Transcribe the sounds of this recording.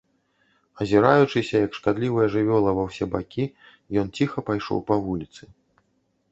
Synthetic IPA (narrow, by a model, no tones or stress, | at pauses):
ɐzʲiɾajut͡ʂɨsʲɐjɐkʂkad̪lʲivɐjɐʐɨvʲɔlˠɐvɐwsʲɛbakʲi | jɔnt͡sʲixɐpajʂɔ̰wpɐvulʲit̪sɨ